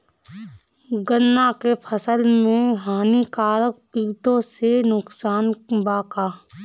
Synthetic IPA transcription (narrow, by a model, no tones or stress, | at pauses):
ɡənːakepʰəsəlmẽɦaːnikaːɾək̚piːt̪õsenʊksaːnbaːkaː